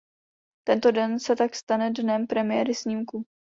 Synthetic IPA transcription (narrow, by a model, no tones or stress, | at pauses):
t̪ɛnt̪o̞dɛnsɛt̪akst̪anɛdnɛmpɾɛmɪjɛːɾɪsɲiːmku